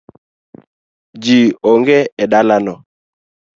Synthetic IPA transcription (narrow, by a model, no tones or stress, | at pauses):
d͡ʒioŋɡeɛɗalanɔ